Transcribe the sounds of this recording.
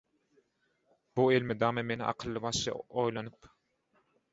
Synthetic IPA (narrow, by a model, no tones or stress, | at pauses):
b̥uelmed̪ɑːmeme̞nḭʔɑ̰qʰɯlˠːɯβɑʃɑ̰ojlˠɑnɯp